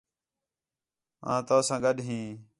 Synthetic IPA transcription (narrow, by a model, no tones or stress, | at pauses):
ã̰ːt̪oːsãːɡəɗɦĩː